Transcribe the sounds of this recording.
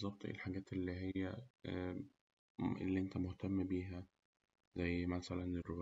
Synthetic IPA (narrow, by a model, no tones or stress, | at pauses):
ezˤːɑb̚t̪ˤʔḛːlħaɡæːt̪elːiɦejːæ | ʔḛlːiʔent̪æmoht̪æmːbiːɦæ | zæjːmæsælænero